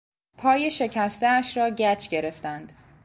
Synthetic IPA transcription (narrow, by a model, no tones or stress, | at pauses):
pʰɒːje̞ʃe̞cʰæst̪eæʃɾɒːɟæt͡ʃʰɡe̞ɾe̞ft̪ænd̪̥